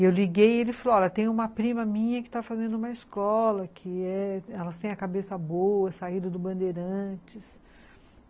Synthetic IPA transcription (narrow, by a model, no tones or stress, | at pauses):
ewliɡejelɪfalɔlɐt̪ẽj̃ũmɐpɾĩmɐmĩɲɐkɪ̥t̪afazẽnd̪ʊũmɐɪskɔlɐkʰɪɛɛlɐst̪ẽj̃ɐkabesɐboɐsaid̪ɐd̪ʊbɐ̃nd̪eɾɐ̃t͡ʃɪs